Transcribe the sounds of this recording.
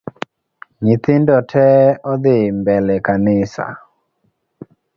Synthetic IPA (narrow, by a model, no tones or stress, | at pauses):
ɲit̪ɪndɔtʰɛɔd̪ɪmbɛlɛkanɪsa̰